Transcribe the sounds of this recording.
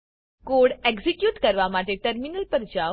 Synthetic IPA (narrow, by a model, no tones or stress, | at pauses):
koɽeɡsikjuːʈkəɾʋamaʈeʈəɾminəlpəɾd͡ʑa